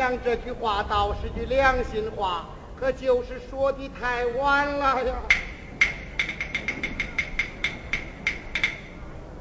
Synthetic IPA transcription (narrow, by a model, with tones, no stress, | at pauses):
ɑ˥˧ŋʈ͡ʂɤ˥˩t͡ɕy˧˥xwa˧˥t̪ɑ˨˩ʊʂɻ̩˥˩t͡ɕy˧ljɑ˥˩ŋɕi˧˥nxwa˨˧˥ | kʰɤ˥˩t͡ɕjo˥˧˩ʊʂɻ̩˥˩ʂwɔ˥t̪i˧˥t̪ʰa˥˧˩ɪwa˥nlə˧j